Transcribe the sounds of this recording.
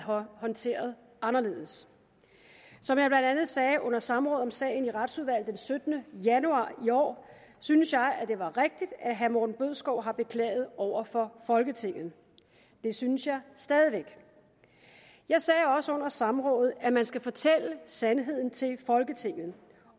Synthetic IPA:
hɒ̽nt͡sʰe̝̰ːɐðˠ | ʔɑ̈nɐle̝ːð̰ˠəs | sɒ̽mjɑ̈ɪb̥lænd̥ænð̞̩ˠsɛːʔɔ̽n̰ɐsɑ̈mʁɔ̽ːð̩ˠɒ̽msɛ̰ːɪn̩iʁɑd̥suðˠʋæl̰dd̥ensød̥ənəjænuɑ̰̈ːiɒ̰ː | synəsjɑ̈ɪʔæd̥e̝ʋɑ̈ʁeɡ̥̚d̥id̥æɦæmɔdn̩b̥øð̰ˠsɡ̥ɒʊ̰ɦɑ̈b̥e̝kʰlɛ̰ːɪð̞̩ˠɒʊ̰ɐfɒ̽fɒ̽lɡ̥ət͡sʰe̝ŋ̰ð̩ˠ | d̥e̝synəsjɑ̈ɪsd̥ɛːð̞ˠiʋeɡ̥ | jɑ̈ɪsɛːɒ̽səɔ̽n̰ɐsɑ̈mʁɔ̽ːð̩ˠæmænsɡ̥æfɒ̽t͡sʰel̰əsænɦe̝ð̞̰ˠn̩t͡sʰe̝lfɒ̽lɡ̥ət͡sʰe̝ŋ̰ð̩

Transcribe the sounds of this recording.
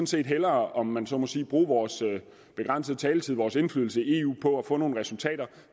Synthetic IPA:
n̩se̝̰ːd̥ɦelɐːɒ̽mːænsɒ̽mɒ̽siːb̥ʁuːʋɒːsø | b̥e̝ɡ̥ʁɑn̰səðˠt͡sʰɛːlət͡sʰið̞̰ˠʋɒːse̝nflyːðˠl̩səie̝ːṵːpʰɒ̽æfɔ̰̽ːno̝ːn̩ʁɛsult͡sʰɛ̰ːd̥ɐ

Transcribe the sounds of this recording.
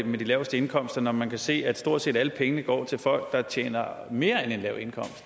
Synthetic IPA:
med̥ilɛʊsd̥əe̝nkʰɒ̽m̰sd̥ɐnɒmænkʰæse̝̰ːæd̥sd̥o̝ɐ̰d̥sḛːd̥æləpʰeŋənəɡ̥ɒ̰ːt͡sʰe̝lfɒ̽l̰ɡ̥̚d̥ɑ̈t͡ɕʰjḛːnɐme̝ːɐene̝nlɛʊ̰e̝nkʰɒ̽m̰sd̥

